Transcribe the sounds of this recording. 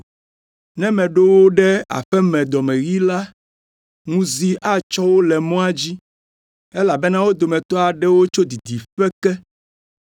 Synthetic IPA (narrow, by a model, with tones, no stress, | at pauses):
nɛ̃˦mɛ̃˨ɖo˦wo˦ɖɛ˦a̰˨ɸɛ˦mɛ̃˨d̪ɔ˨mɛ̃˨ɣi˦la˦ | ŋũ˦zi˦ʔa˦t͡ʃɔ˦wo˦lɛ˨mɔ̃˦a˦d͡ʑi˦ | ɛ˦la˨bɛ˦nã˦wo˦d̪o˨mɛ̃˨t̪ɔ˦a˨ɖɛ˦wo˦t͡ʃo˦d̪i˨d̪i˨ɸɛ˦kɛ˦